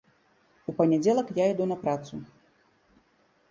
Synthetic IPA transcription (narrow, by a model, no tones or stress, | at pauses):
upɐnʲɛd͡zʲɛlˠɐkjaid̪unɐpɾat̪su